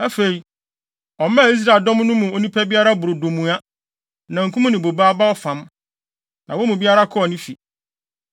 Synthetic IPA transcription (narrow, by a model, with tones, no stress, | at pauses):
a˦fe˨i˨ | ɔ˨mã˦˨i˦s̬ɾa˦˨e˨ldɔ̃˦m˦nʊ̃˦mũ˨o˦nĩ˦pʰæ˦bi˦a˦ɾa˦bʊ˨ɾo˨dõ˨mũ˨a˦ | nã˨ŋ̩˨kʰũ˦mũ˦nɪ̃˨bo˨baː˦ba˦ɔ˦fã˨m | nã˨wo˦mũ˨bi˦a˦ɾa˦kʰɔ˦ɔ˨nĩ˦fi˨